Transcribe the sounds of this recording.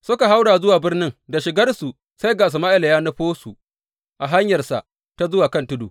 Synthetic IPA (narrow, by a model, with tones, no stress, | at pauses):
sʊ˦ka˨ɦa˦wɽaː˨zʊ˦waː˨bɪ˦rnɪ˦ŋda˨ʃɪ˨ɡɐ˦rsu˨ | sa˦jɡaː˨s̬u˨maː˦ʔɪ˨la˨jaː˦nɐ˦ɸoː˦su˨ | ʔa˨ɦa˦ɲjɐ˨rsa̰˨ʔ | ta˦zʊ˦waː˨kɐ˦ntʊ˦duː˨